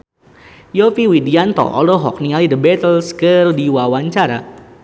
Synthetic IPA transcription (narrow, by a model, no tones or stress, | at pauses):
jɔfiwidiant̪ɔ̰ʔɔ̰lɔɦɔ̰k̚niŋalidəbɛt̪əlskərdiwawaɲt͡ʃaɾa̰